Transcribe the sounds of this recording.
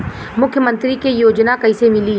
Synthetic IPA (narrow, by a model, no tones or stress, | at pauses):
mʊkʰjəmə̃nt̪ɾikejoːd͡ʒnakɐisemɪli